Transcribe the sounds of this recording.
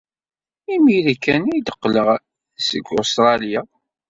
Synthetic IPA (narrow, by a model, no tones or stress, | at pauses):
imiɾikːænid̪əqːləʁ | sə̰ɡːost̪ɾˤɑlja